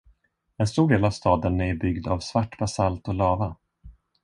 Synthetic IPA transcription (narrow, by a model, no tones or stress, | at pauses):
ɛnst̪uːɖeːlavst̪ɑːd̪ənæbʏɡd̪avsvaʈːbasalt̪ɔlɑːva